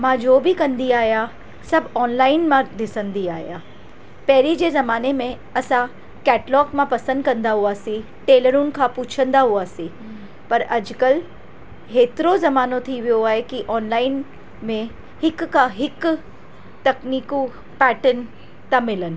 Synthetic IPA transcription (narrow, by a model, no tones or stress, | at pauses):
mãd͡ʒoːbʱikɐ̃nd̪iaːja | sɐbɔːnlaːɪnmãd̪ɪsə̃nd̪iaːja | pɛɦɾid͡ʒezɐmaːnemẽ | ɐsã | kɛːʈlɔːkmãpɐsə̃nd̪̚kɐ̃nd̪aɦuasi | ʈeːləɾũnkʰapuːt͡ʃʰə̃nd̪aɦʊaːsi | pɐɾɐd͡ʒkəl | ɦeːt̪ɾozɐmaːnõt̪ʰiʋijoaːɦekiʔɔːnlaːɪn | mẽ | hɪkːaɦɪk | t̪ɐkniːko | pɛːʈən | t̪amɪlən